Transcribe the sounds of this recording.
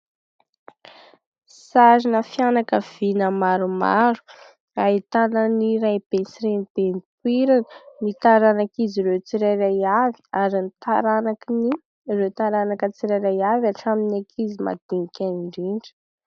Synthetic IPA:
saɾinəfjanakəv̥inəmaɾuma̰ɾu̥ | ait̪anəniɾajb̥ensiɾenb̥enipwiɾanmit̪aɾanakiziɾet͡siɾajɾajavi̥aɾint̪aɾanakini | rewt̪aɾanakət͡siɾajɾajavaʈ͡ʂaminakʰizima̰d̪̥iŋikʰʲaniɳɖ͡ʐiɳɖ͡ʐi̥

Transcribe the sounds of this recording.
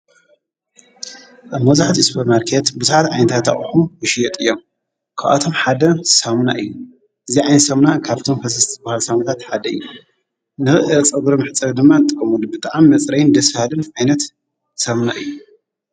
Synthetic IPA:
ʔaβmɐzaħat̪ispʰoɾmaɾkʰet̪bɨzuħat̪ʕajnɐt̪ʰat̪ʰaʔʼɨxumwɔʃjɛt̪ʼɨjːom | kʰa̰ʔa̰t̪ʰo̞mħad̪ɐsamuna̰ʔɨjːu | ʔɨziʕajnɐt̪sɐmnakʰaβt̪ʰo̞mkʰɐs̬ɐsɨbahalsamut̪ʰat̪ħad̪ɐɨ̰jːu | nɨxɨʔɨt͡sʼɐɡuɾɐmɨħɨt͡sʼːɐβd̪ɨmːanɨt̪ʼɨkʼːɐmulbɨt̪ʼaʕmimɐt͡sʼɾɐjnd̪ɐsfhalɨnʕajnɐt̪ | sɐmnaʔɨjːu

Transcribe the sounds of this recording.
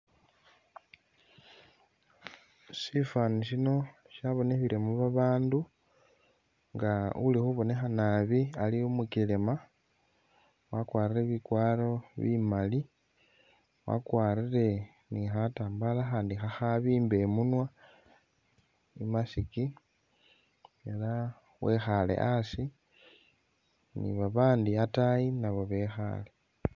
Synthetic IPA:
sifaniʃino̞ | ʃjaβo̞nexiɾemuβaβaːndu | ŋɡaṵlixuβo̞ne̞xanaβialiumukile̞ma | wakwaːrire̞βikwaːlo̞βḭmali | wa̰kwaːrire̞ | nixataːmbalaxaːndixaxaβiːmbe̞munwa | imasiki | ela | wexalḛʔasi | nḭβaβaːndiatajinaβoβe̞xa̰le̞

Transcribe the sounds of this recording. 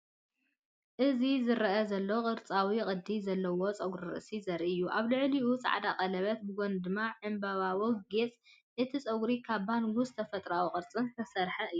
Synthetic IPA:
ʔɨzizɨɾʔɐzɐlːoqʼɨɾt͡sʼawikʼɨd̪izɐlːɐwo̞t͡sʼɐɡɾiɾɨ̰ʔsizɐɾʔɨjːuʔaβlɨʕliut͡sʼa̰ʕad̪aqʼɐlɐβɐt̪̚bɨɡond̪ɨmːaʕɨmbɐβawoɡet͡sʼ | ʔɨt̪ʰit͡sʼɐɡɾikʰaβbanwʊst̪ʰɐfɐt̪ʼɾawuχʼɨɾt͡sʼɨnt̪ʰɐsɐɾħɐɨjːu

